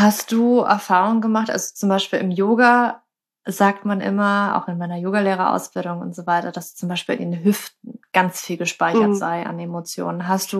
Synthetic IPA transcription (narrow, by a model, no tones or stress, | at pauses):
hastd̥uːɛ̰ɐfaːʁ̞ʊŋənɡəmaχtʔa̰lzot͡sʊmbaɪʃpiːlɪmjoːɡa | zaːk̚tmanʔɪ̰mɐa̰ʊxɪnmaɪnɐjoːɡaleːʁ̞ɐʔa̰ʊsb̥ɪldʊŋʊ̰ntz̥ovaɪtɐd̥asd̥ːt͡sʊmbaɪʃpiːlɪnenɦʏftn̩ɡ̥ant͡sfiːlɡəʃpaɪçɐtz̥aɪʔa̰nemot͡sjo̰ːnənɦastd̥uː